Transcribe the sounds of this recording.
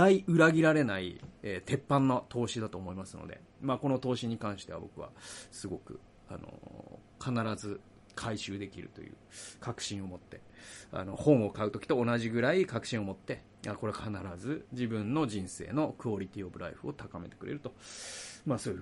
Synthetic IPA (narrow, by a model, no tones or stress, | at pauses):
aiɯ̟ɾaɡʲiɾaɾe̞naḭeːt̪e̞pːãnːot̪ʰo̞ːɕid̪at̪o̞ːmo̞imasɨno̞̰d̪e̞̰ | maːko̞no̞t̪o̞ːɕiɲ̟ikãɰ̃ɕi̥t̪e̞βa̰bo̞̰kɯ̟βa̰sɨɡo̞kɯ̟̰ | a̰no̞̰ | kʰanaɾazɨ | kʰaiɕɨːd̪e̞kʲḭɾɯ̟̰t̪o̞̰jɯ̟̰ːkakɯ̟̥ɕĩɰ̃o̞mo̞t̪ːe̞̰a̰no̞hõ̞ɴ̃o̞kaɯ̟t̪o̞kʲi̥t̪o̞ːnaʑiɡɯ̟ɾaikakɯ̟ɕĩɰ̃o̞mo̞t̪ːe̞ | ako̞ɾe̞akʰanaɾazɨd͡ʑibɯ̟̃nno̞ʑĩɰ̃se̞̰ːno̞kɯ̟oɾʲit̪ʲio̞bɯ̟ɾʔaiɸɯ̟o̞t̪akame̞̰t̪e̞̥kɯ̟ɾʔe̞ɾɯ̟t̪o̞maːsoːji